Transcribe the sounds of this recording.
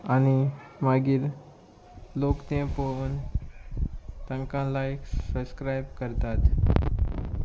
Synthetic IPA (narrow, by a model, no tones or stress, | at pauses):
añimaɡiːɾ | lokt̪ẽpon | t̪ə̃ŋkãlajksəbskɾajb̚kəɾt̪at̪